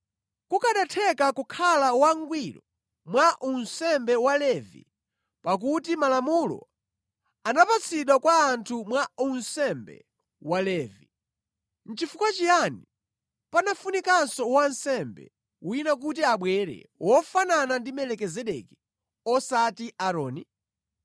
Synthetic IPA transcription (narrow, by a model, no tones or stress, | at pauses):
kukaɗatʰɛkakukʰalawaŋɡwilɔ | mwaʔunsɛmbɛwalɛvḭ | pak̬ut̬imalamulɔ̰ | anapat͡sʰiɗwakwaːntʰumwaunsɛmbɛ̰ | walɛːvi | n̩t͡ʃifukwat͡ʃijani | panafunikasɔwansɛmbɛ̰ | winak̬ut̬iaɓwɛɾɛ̰wɔfananandimɛlɛkɛzɛɗɛki̥ | ɔsatiʔaɾɔːni